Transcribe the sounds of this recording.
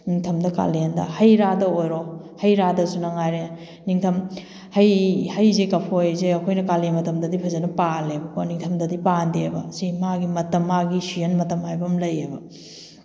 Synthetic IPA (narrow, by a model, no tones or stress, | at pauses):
niŋtʰɐmdɐka̰lendɐ̰hɐjɾadɐojɾo | hɐjɾadɐsunɐŋajɾe | niŋtʰɐm | hɐjhɐjzekɐpʰojzeɐkʰojnɐkalemɐtɐmdɐdipʰɐzenɐpalebɐkʰoniŋtʰɐmdɐdipandiebɐ̰simaɡimɐtɐmːaɡisienmɐtɐmajbɐmlɐjebɐ